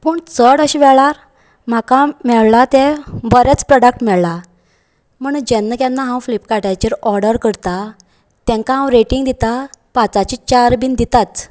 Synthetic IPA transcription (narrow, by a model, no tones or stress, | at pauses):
pəɳt͡səɽəɕiʋɛɭaɾ | m̤akãmɛɭlat̪ẽbəɾɛt͡spɾɔɽək̚ʈmɛɭla | m̤əɳd͡ʑɛnːəkjanːaɦãwflipkaʈajt͡ɕiɾɔɾɖəɾkəɽt̪a | t̪ɛ̃ŋkaɦãwɾeʈiŋɡd̪it̪apat͡sat͡ɕit͡ɕaɾbiːnd̪it̪at͡s̪